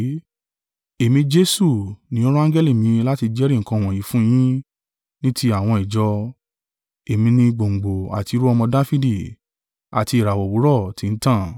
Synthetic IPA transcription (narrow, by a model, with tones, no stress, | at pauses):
e˨mĩ˧d͡ʒe˦su˦˨nĩ˨˦ɔ˦ɾɔ˦ã˦d͡ʒɛ˦li˦˨mĩ˨˦˧la˦ti˧d͡ʒɛ˦ɾi˦˨ŋ̩˨kã˧˨w̃ɔ̃˨jĩ˨˦fũ˦j̃ĩ˦ | nĩ˦ti˦a˦˨w̃ɔ̃˧i˨d͡ʒɔ˧ | e˨mĩ˧nĩ˧ɡ͡bo˨ŋ͡m̩˨ɡ͡bo˨a̰˨ti˨˧˦ɾu˦ɔ˧mɔ̃˧da˦fi˦di˦˨ | a̰˨ti˧i˨ɾa˨wɔ˨wu˨˦ɾɔ˦˨ti˨˦n̩˦tã˦˨